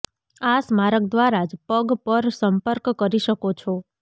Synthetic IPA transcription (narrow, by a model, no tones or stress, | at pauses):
asmaɾək̚d̪ʋaɾad͡ʒpəɡpəɾsəmpəɾkːəɾiʃəkot͡ʃʰo